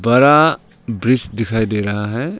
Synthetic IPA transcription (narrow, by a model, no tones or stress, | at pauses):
bɐɾa | bɾit͡ʃd̪ikʰajd̪eɾaɦaɦɛ